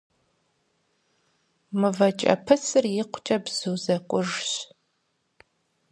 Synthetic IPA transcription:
mɨvɐt͡ʃʼɐ̰pʰɨsɨrjɪqʷʰt͡ʃʼɐbz̥ɨwzɐkʷʼʊʐɕ

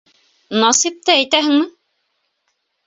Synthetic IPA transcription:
nɑsip̚t̪ææjt̪æɦɘ̆ŋmɘ

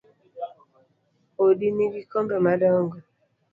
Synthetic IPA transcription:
odiniɡikɔmbɛmadɔŋɡɔ

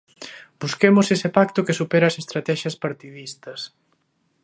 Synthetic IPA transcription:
b̥uskemʊsesepak̚t̪ʊkɪsupɛɾɐːsest̪ɾat̪ɛʃɐspaɾt̪iðist̪ɐs

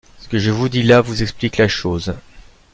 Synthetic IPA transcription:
sə̥kəʒəvud̪ilavuzɛkspliklaʃoːz

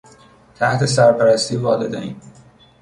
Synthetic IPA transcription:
t̪ʰæht̪ʰesæɾpæɾæst̪ʰiːvɒːled̪eiːn

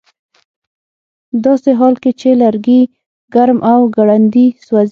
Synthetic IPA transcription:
d̪ɑseɦɑlket͡ʃelaɾɡi | ɡaɾmʔawɡaɽand̪iswaz

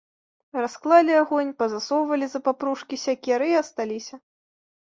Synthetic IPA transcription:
rasklˠalʲiaɣɔnʲpɐzasɔwvɐlʲizɐpapɾuʂkʲisʲakʲɛɾɨiɐst̪alʲisʲɐ

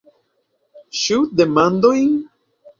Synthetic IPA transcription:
ʃud̪emãnd̪oiŋ

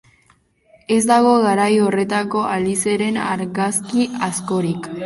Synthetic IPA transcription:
e̞zd̪aɣ̞o̞ɣaɾajore̞t̪ako̞ʔalise̞ɾe̞naɾɣaskiasko̞ɾik

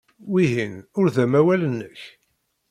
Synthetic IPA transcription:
wiɦinʊɾðæmæwælənːəç

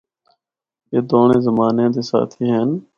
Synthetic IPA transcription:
eːd̪oːnẽːzəmaːnãːd̪eːsa̰ːt̪ʰiːɦɛːn

